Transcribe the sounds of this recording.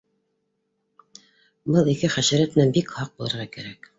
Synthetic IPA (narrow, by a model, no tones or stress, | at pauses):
bɤlˠikɘχæʃæ̆ɾæt̪nænbikhɑq̚bulˠɤ̆ɾʁɑkæɾæk